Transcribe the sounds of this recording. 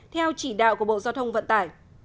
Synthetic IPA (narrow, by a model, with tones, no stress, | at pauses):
t̪ʰɛ˧wt͡ɕi˧˩ɗa̰ː˧˨wku˧˩əɓo̰˧˨zaː˧wt̪ʰə˧wŋ͡mvə̰˧˨nt̪aː˧˩j